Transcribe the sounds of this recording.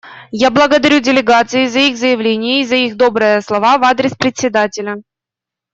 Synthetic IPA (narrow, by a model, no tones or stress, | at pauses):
jablˠəɡəd̪ɐɾʲudʲɪlʲɪɡat̪sɨɪzɐixzəjɪvlʲenʲɪjəizɐixd̪obɾɨjəslˠɐvavad̪ɾʲɪspɾʲɪt̪ʲsʲːɪd̪atʲɪlʲə